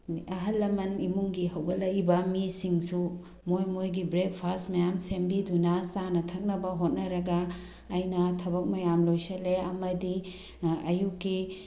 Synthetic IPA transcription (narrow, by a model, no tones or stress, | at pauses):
ɐɦɐlːɐmɐnimuŋɡiɦɐwɡɐlɐjbɐmisiŋsu | mojmojɡibɾek̚pʰasmɐjamsembidunɐsanɐtʰɐk̚nɐbɐɦot̚nɐɾɐɡɐː | jnɐtʰɐbɐk̚mɐjamlojsɐleɐmɐdi | ɐjukːi